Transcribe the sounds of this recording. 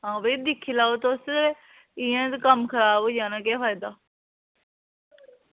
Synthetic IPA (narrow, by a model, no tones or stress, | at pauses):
ɦãːbəːd̪ɪkʰːiːlaːoːt̪ːʊs | ɪjɛ̃ːt̪kəmkʰəɾaːboːd͡ʒãːnãːkɛːfaːjd̪aː